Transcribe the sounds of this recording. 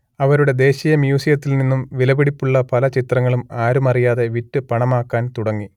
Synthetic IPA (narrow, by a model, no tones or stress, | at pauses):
ɐʋɐɾuɽe̞d̪e̞ːɕijɐmjuːsijɐt̪ːilninːumʋilɐbiɽipːuɭːɐpɐlɐt͡ɕit̪rɐŋːɐɭumaːɾumɐrijaːðe̞ʋitːɨpɐɳɐmaːkːaːnt̪uɽɐŋːi